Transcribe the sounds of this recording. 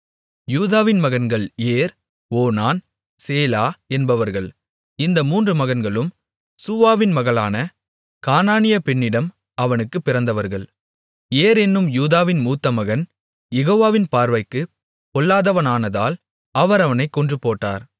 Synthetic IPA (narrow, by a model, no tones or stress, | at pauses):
juːðaːʋɪnmɐɣɐnɡɐɭeːɾ | oːnaːn | seːlaːɛnbɐʋɐɾɣɐɭ | ɪnd̪ɐmuːndrɯmɐɣɐnɡɐɭɯm | suʋaːʋɪnmɐɣɐɭaːnɐ | kaːnaːnɪjɐpɛnːɪɽɐm | ɐʋɐnɯkːɯpːɪɾɐnd̪ɐʋɐɾɣɐɭ | eːɾɛnːɯmjuːðaːʋɪnmuːt̪ːɐmɐɣɐn | jɛɣoːʋaːʋɪnpaːɾʋɐɪkːɯ | pɔɭːaːðɐʋɐnaːnɐða̰ːl | ɐʋɐɾɐʋɐnɐɪkːɔndrɯpːoːʈːa̰ːɾ